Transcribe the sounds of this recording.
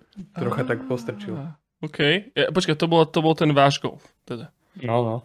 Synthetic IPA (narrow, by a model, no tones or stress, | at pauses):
t̪ɾɔxat̪akpɔst̪ɾ̩t͡ʃila | okʰɛjjap̬ɔt͡ʃkat̪ɔbɔlat̪ɔbɔlt̪ɛnʋaːʒɡɔ̰lf | t̪ɛd̪a | nɔnɔ